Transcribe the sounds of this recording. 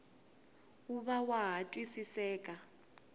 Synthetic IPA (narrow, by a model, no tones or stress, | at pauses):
uβawaɦatʼwisisɛːkʼa